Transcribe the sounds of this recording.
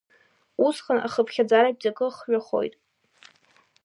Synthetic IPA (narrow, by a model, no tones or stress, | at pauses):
usχəna̰χəpʰχʲad͡zaɾap̚ʼzakʼɨχɥaχo̞̰jtʼ